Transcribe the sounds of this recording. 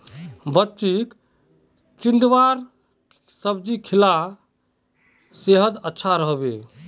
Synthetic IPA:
bətːt͡ʃik | t͡ʃind̪ʋaɾ | səbd͡ʒikʰila | seɦəd̪ətːʃʰaɾəɦbe

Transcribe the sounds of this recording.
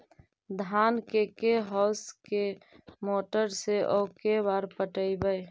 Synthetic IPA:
d̪ʱaːnkekeɦɔːske | moːʈəɾseʔɔːkebaːɾpəʈəibəj

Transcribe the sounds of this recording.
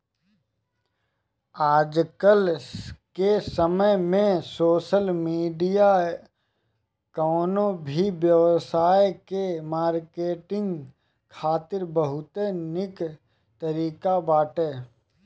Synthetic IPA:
aːd͡ʒkəlkesəməjmẽsoːʃəlmiːɖija | kɔːnõbʱiʋjəʋsaːjkemaːɾkeːʈɪ̃ŋɡ | kʰaːt̪ɪɾbəɦʊt̪enɪk | t̪əɾiːkabaːʈeː

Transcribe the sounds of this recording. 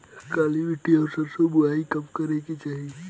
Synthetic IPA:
kaːliʋɪʈiɔːɾsəbsobʊaːikɐmkɐɾekit͡ʃaːɦi

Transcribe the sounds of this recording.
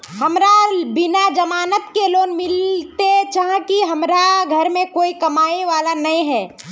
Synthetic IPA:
ɦɐmɾabɪnad͡ʒɐmaːnət̪keloːnmɪlt̪et͡ʃaɦãkiɦɐmɾaɡʱɐɾmẽkoːikɐmaːiʋaːlanɐĩɦɛː

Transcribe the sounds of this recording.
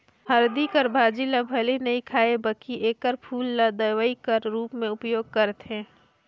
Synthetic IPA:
hɐɾd̪ikəɾbʱaːd͡ʒilabʱɐlenɐĩkʰaːebəkiʔeːkəɾpʰuːlːad̪əwəikəɾɾuːpmẽʊpjoːɡ̚kəɾt̪ɦɛ̃ː

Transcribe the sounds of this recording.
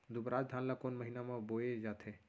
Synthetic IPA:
d̪ubɾaːd͡ʒd̪ʱaːnlakonməɦinamãboed͡ʒaːt̪ʰe

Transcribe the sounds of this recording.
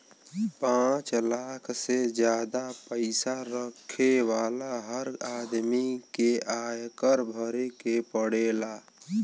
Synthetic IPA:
pãːt͡ʃlaːkʰsed͡ʒjaːd̪apəɪsaɾəkʰewaːlaɦəɾaːd̪mikeʔaːjkəɾbʱəɾekepəɽeːlaː

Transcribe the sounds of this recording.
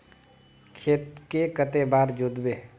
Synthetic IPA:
kʰeːt̪kekət̪ebaːɾd͡ʒʊd̪beː

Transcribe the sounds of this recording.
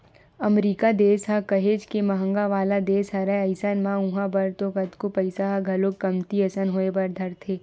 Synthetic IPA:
ɐmɾiːkad̪eːsɦakɐɦeːd͡ʒkemɐɦə̃ŋɡaʋaːlad̪eːsɦɐɾɛɐɪsənmãʊ̃ɦãbɐɾt̪okɐt̪kopɐɪsaɦaɡʱɐlokɐmt̪iɐsənɦoːebɐɾd̪ʱɐɾt̪ʰeː

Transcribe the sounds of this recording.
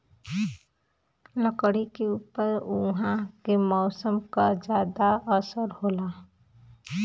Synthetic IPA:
nəkɽikeuːpəɾʊɦãkemɔʊsəmkad͡ʒjaːd̪aəsəɾhoːla

